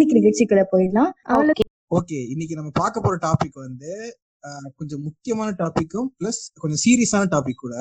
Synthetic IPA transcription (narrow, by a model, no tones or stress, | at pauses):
ɪk̬ːɪɾɾɛʈt͡ʃːɪkːɐlɐpoːjlãːɐʋlɐ | oːkeːɪnːɪk̬ːinɐmːɐpaːɾkɐpːoːɾɐʈaːpɪkːʋɐnd̪ɯ | kɔɲd͡ʒɔ̃mʊkːɪjɐmaːnɐʈaːpɪkːʊ̃plɐskɔɲd͡ʒɔ̃siːɾɪjɐsaːnɐʈaːpɪkːuːɽɐ